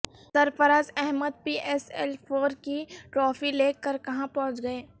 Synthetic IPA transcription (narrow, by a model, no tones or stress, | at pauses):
sɐɾpəɾaːd͡ʒɛɦməd̪̚piːʔɛːsɛlpʰoːɾkiʈɾoːfileːkːəɾkɐɦãpɔɦʊ̃t͡ʃɡɐeː